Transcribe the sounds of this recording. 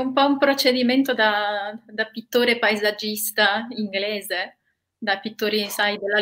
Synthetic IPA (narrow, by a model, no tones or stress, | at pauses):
umpɔumpɾot͡ʃed̪iment̪od̪ad̪apit̪ːoːɾepaezad͡ʒːist̪aiŋɡlɛːze | d̪apit̪ːoːɾisajd̪elːa